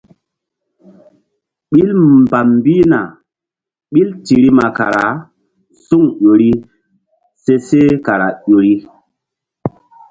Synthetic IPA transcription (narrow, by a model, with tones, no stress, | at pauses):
ɓi˦lmba˨mbi˦na̰˨ | ɓi˦lti˨ɾi˦ma˨ka̰˨ɾa˨˦ | su˦ŋʄo˨ɾi˦ | se˦se˦ka˨ɾa˨ʄo˨ɾi˦